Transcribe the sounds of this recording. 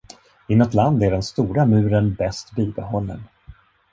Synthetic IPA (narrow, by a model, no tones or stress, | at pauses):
ɪnɔt̪land̪æɖɛnst̪uːɾamʉ̟ːɾənbɛst̪biːbɛɦɔlːə̰n